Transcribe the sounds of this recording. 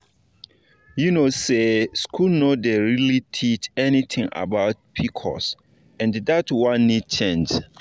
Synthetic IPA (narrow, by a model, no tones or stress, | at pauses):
junoseskʰulnodeɹilitʰit͡ʃɛnitʰɪ̃ŋa̰baʊt̚pʰikʰɔ̰s | ɛ̃ndatwãnːid̚t͡ʃʰẽnd͡ʒ